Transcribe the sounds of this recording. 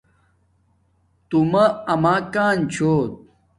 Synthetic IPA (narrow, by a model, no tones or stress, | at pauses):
t̪umɐɐmaːkaːnt͡ɕʰoːt̪̚